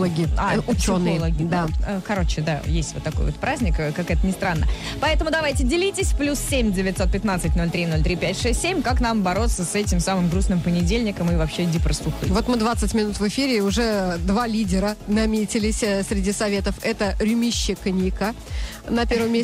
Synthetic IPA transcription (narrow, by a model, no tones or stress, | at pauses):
ɐɡʲɪaʊt͡ɕonːɨjlˠɐɡʲɪd̪aəkɐɾo̞t͡ɕɪd̪a̰jesʲtʲvo̞t̪ːɐko̞jvot̪pɾazʲnʲɪkkakɛt̪ənʲɪst̪ɾanːə | pɐɛt̪əmʊd̪ɐvajtʲɪdʲɪlʲitʲɪsʲplʲussʲemʲdʲɪvʲɪt̪so̞t̪̚pʲɪt̪nat̪sɨtʲno̞lʲt̪ɾʲino̞lʲt̪ɾʲipʲætʲʂɛsʲtʲsʲemʲkaknambɐɾo̞t̪səsɛtʲɪmsamɨmɡɾusnɨmpənʲɪdʲelʲnʲɪkəmɨvɐpɕːedʲɪpɾəst̪ˠʊxɨ̰vo̞t̪mɨd̪vat̪sɨtʲmʲɪnut̪vɨfʲiɾʲɪʊʐɛd̪valʲidʲɪɾənɐmʲetʲɪlʲɪsʲsʲɾʲɪdʲisɐvʲe̞t̪əfɛt̪əɾʲʊmʲiɕːɪknʲikə | nɐpʲeɾvəmʲe